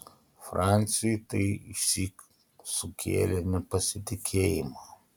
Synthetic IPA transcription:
fɾanʲsʲɪjt̪ɐɪɪʃsʲiːk | sʊkʲʰḛːlʲɛnʲɛpɐsʲɪt̪ʲɪkʲʰeːjɪma

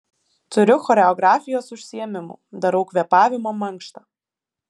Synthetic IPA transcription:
t̪ʊɾʲʊxɔɾʲɛɔɡɾaːfʲɪjoːsʊʃʲsʲiɛmʲɪmṵːd̪ɐɾɐʊkʋʲɛpaːʋʲɪmoːmɐŋkʃt̪ɐ

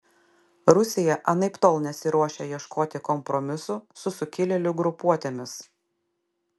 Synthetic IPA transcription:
ɾʊsʲɪjɛʔɐnɐɪpt̪oːlˠnʲɛt̪sʲɪɾuɔʃʲejiɛʃkoːt̪ʲɪkɔmpɾɔmʲɪsʊsʊsʊkʲɪlʲɛlʲʊɡɾʊpuɔt̪ʲemʲɪs

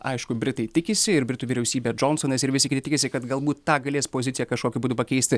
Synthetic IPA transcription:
ɐɪʃkʊbʲɾʲɪt̪ɐɪt̪ʲɪkʲɪsʲɪɪɾbʲɾʲɪt̪uːʋʲiːɾʲɛʊsʲiːbʲɛd͡ʒoːnsoːnʲɛsɪɾʋʲɪsʲɪkʲɪt̪ɐɪt̪ʲɪkʲɪsʲɪkɐt̪ɡɐlˠbuːt̪ːɑːɡɐlʲeːspoːzʲɪt̪sʲɪjɛkɐʃkoːkʲʊbuːd̪uːpɐkʲɛɪsʲt̪ʲɪ

